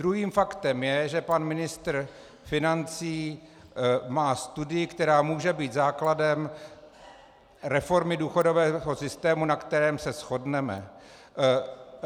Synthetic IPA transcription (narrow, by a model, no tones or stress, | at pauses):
d̪ɾuɦiːmfakt̪ɛmjɛʒɛpanmɪnɪst̪r | fɪnant͡siː | maːst̪udɪjɪkt̪ɛɾaːmuːʒɛbiːt̪zaːkladɛm | ɾɛfo̞ɾmɪduːxo̞do̞vɛːɦo̞sɪst̪ɛːmunakt̪ɛɾɛːmsɛsxo̞dnɛmɛ̰